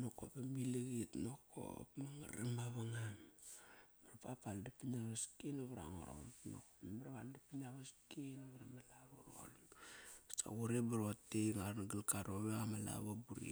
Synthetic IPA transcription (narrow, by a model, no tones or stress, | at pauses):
noko̰pamiliɡitnokʰo̰pmaŋaɾamaβaŋam | maɾapapaldapinaβaskinaβɾa̰ŋoɾo̰lno̰kmaɾaβandapinaβaskinaβaɾamalaɾuɾo̰l | sa̰ɡuɾebaɾoteŋaɾnaɡilkaɾoβeamala̰βabuɾḭ